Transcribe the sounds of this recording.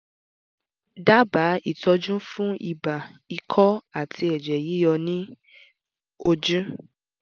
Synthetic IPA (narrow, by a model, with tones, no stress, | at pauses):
da˦ba˨˦i˦˨tɔ˧d͡ʒũ˦fũ˦i˧˨ba˨i˧kʰɔ˦a˦˨tʰi˧˦ɛ˨d͡ʒɛ˨ji˨˦jɔ˧nĩ˦ | o˧d͡ʒũ˦